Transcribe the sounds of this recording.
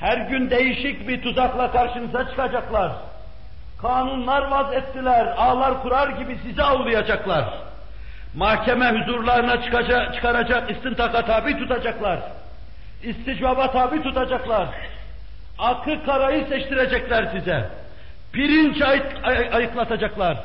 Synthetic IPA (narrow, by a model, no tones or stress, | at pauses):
hæɾɟynd̪ejiʃicbiɾt̪ʰuzaklˠakʰaɾʃɯnɯzat͡ʃʰɯ̥kʰad͡ʒaklˠaɾ | kʰaːnunlˠaɾvazɛt̪ːilʲæɾaːlˠaɾkuɾaɾɟibisizɛawlˠɯjad͡ʒaklˠaɾ | mahcʰɛmɛhyzuɾlˠaɾɯnat͡ʃʰt͡ʃʰɯ̥kʰaɾad͡ʒakist̪int̪ʰakat̪ʰaːbit̪ʰut̪ad͡ʒaklˠaɾ | ist̪id͡ʒbabat̪ʰaːbit̪ʰut̪ad͡ʒaklˠaɾ | akʰɯkʰaɾajɯsɛʃt̪ʰiɾɛd͡ʒɛclʲæɾsizɛ | piɾint͡ʃʰ | ajɯklˠat̪ʰad͡ʒaklˠaɾ